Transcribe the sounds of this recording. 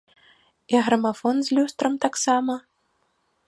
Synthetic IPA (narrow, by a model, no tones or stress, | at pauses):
iɣɾɐmafɔnzʲlʲust̪ɾɐmt̪aksamɐ